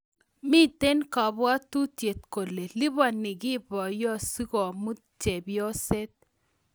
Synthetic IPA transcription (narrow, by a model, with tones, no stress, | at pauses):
mi˦t̪e˦nka˨ba˦t̪u˦tje˨t̪̚ko˨le˨lɪ˦βa˨nɪ˨ɡɪ˦bɔ˨jɔ˦si˦kɔ˨mu˦ | t͡ʃe˨bjɔ˦se˦t̪̚